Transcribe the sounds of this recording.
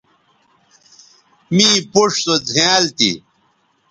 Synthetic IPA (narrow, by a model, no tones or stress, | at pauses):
miːpuʂsod͡zʱiaːlt̪ḭ